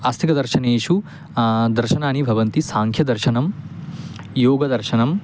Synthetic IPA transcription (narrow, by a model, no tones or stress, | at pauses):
ɐst̪ʰikɐd̪ɐɾʃɐneːʂu | d̪ɐɾʃɐnaːnibʱɐʋɐnt̪isaːŋkʰjɐd̪ɐɾʃɐnɐm | joːɡɐd̪ɐɾʃɐnɐm